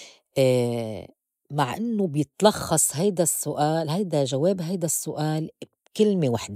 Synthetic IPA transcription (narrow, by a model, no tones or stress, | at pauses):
ʔː | maʕʔɪnːobjɪt̪lɑxːɑsˤɦajd̪asːʊʔaːlɦajd̪aʒaweːbɦajd̪asːʊʔaːlbkɪlmewaħd̪